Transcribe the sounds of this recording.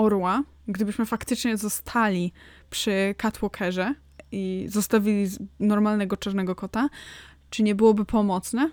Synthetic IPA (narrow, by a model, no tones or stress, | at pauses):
ɔɾwa | ɡd̪ɘbɘɕmɘfakt̪ɘt͡ʂɲɛzɔst̪ʰalʲi | pʂɘkat̪wɔkʰɛʐɛ | izɔst̪avʲilʲinɔɾmalnɛɡɔt͡ʂaɾnɛɡɔkɔt̪a | t͡ʂɘɲɛbɘwɔbɘpʰɔmɔt̪snɛ